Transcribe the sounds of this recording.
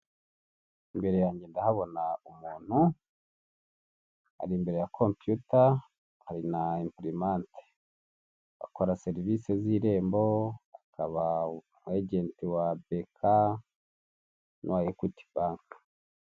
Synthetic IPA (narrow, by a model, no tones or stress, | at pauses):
imbe̞ɾe̞jaːɲɟendahaβo̞naumuːn̥hu | ha̰ɾimbe̞ɾe̞jakʰompjuta | haɾinaimpɾimante̥ | βa̰koɾaseɾiviseziːɾe̞ːmboakʰaβa | mweɟe̞ːntiwabekʰa | nʔuwajekwuti̥baːŋkḁ